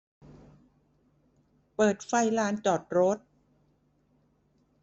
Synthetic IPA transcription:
pɤː˨˩t̪̚fa˧˩jlaː˦˥nt͡ɕɔː˨˩t̪̚ɾo˦˥t̪̚

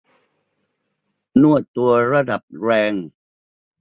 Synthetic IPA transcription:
nu˥˩ət̪̚t̪ːu˧ɐɾa˧da˨˩p̚ɾɛː˧ŋ

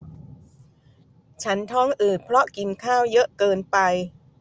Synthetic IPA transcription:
t͡ɕʰa˦˥nt̪ʰɔː˦˥˩ŋʔɯː˨˩t̪̚pʰɾɔ˦˥ki˧nkʰaː˥˩wjɤ˦˥ʔkɤː˧npa˧j

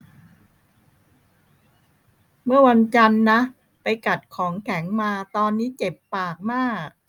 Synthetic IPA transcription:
mɯ˥˩ɐwa˧nt͡ɕa˧nːa˦˥ | pa˧jka˨˩t̪̚kʰɔː˩˦ŋkʰɛ˩˦ŋmaː˧t̪ɔː˧nːiː˦˥t͡ɕe˨˩pːaː˨˩k̚maː˥˩k̚

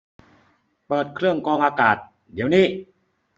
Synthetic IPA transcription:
pɤː˨˩t̪̚kʰɾɯ˥˩əŋkɔː˧ŋʔaː˧kaː˨˩t̪̚ | di˩˦əwniː˥˩

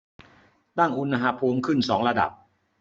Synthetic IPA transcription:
t̪a˥˩ŋʔu˧nːa˧ɦaː˦˧˥pʰuː˧mkʰɯ˥˩nsɔː˩˦ŋɾa˧da̰˨˩p̚

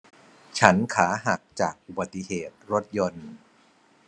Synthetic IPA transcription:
t͡ɕʰa˦˥nkʰaː˩˦ɦa˨˩k̚t͡ɕaː˨˩k̚ʔu˨˩ba˨˩t̪ːi˧heː˨˩t̪̚ɾo˦˥t̪̚jo˧n

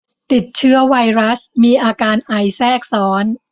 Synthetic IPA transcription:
t̪i˨˩t̪̚t͡ɕʰɯ˦˥ɐwa˧jɾa˦˥smiː˧ʔaː˧kaː˧nʔa˨˩jsɛː˥˩k̚sɔː˩˦˥n

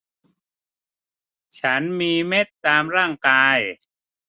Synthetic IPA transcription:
t͡ɕʰa˦˥nmiː˧me˦˥˩t̪ːaː˧mɾaː˥˩ŋkaː˧j

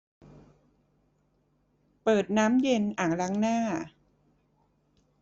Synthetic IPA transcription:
pɤː˨˩t̪̚naː˦˥mje˧nʔaː˨˩ŋɾa˦˥ŋnaː˥˩

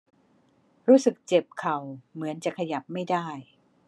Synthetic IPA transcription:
ɾuː˦˥sɯ˨˩k̚t͡ɕe˨˩p̚kʰa˨˩wmɯ˩˦ənt͡ɕa˨˩kʰa˧ja˨˩p̚ma˥˩jdaː˥˩j

